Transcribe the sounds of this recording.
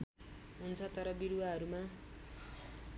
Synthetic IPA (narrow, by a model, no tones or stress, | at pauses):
ɦunt͡sʰʌt̪ʌɾʌbiɾuwaɦʌɾuma